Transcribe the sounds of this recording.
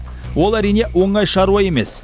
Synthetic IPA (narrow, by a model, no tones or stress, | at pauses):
wo̞lˠæɾijne̞wo̞ɴɑjʃɑɾuwɑje̞me̞s